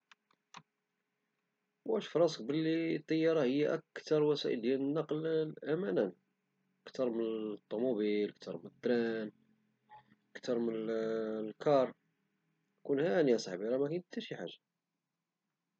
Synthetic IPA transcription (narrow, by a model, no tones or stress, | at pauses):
wæʃfɾˤɑsə̥k̚bəlːit̪ˤːɑjːɑɾˤɑhəjːaʔæk̚t̪ɑɾˤwæsæ̰ʔə̰ld̪jænənːɑqllʔæmænæn | ʔəkt̪ɑɾˤməət̪ˤːomubilʔəkt̪ʰɑɾˤmnət̪ːɾæn | ʔəkt̪ɑɾˤmənlkʰɑɾˤ | kunhænjæsˤɑħbiɾˤɑmækænt̪ːæʃiħaʒːa